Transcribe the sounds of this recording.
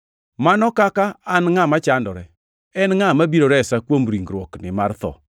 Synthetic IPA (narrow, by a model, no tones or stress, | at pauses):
manɔkakaːnŋamat͡ʃandɔɾɛ | ɛnŋamabiɾoɾɛsakwomɾiŋɡɾwɔknɪmart̪ɔ̰